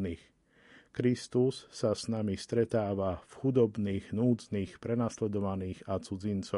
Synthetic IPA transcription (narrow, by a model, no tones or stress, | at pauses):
nix | kɾist̪usːasnamist̪ɾɛt̪aːʋafxud̪ɔbniːɣnuːd͡zniːxpɾɛnaslɛd̪ɔʋaniːɣat͡sud͡zint͡sɔ